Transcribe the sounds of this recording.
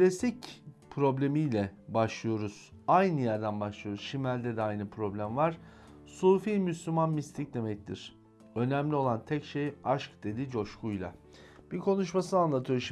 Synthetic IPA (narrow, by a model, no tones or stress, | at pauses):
klʲasicpʰɾo̞blʲe̞mijlʲɛbaʃlˠɯjo̞ɾuz̥ | ajnɯjæɾd̪ænbaʃlˠɯjo̞ɾuz̥ʃimælʲd̪ɛd̪ɛajnɯpʰɾo̞blʲæmvaɾ̥ | suːfiːmyslʲymanmist̪ʰic̚d̪e̞mɛc̚t̪ʰiɾ̥ | ø̞næmlʲio̞lˠant̪ʰɛcʃejaʃkd̪e̞d̪id͡ʒo̞ʃkujlˠa̰ | b̥ikʰo̞nuʃmasɯnanlˠat̪ʰɯjoɾʃ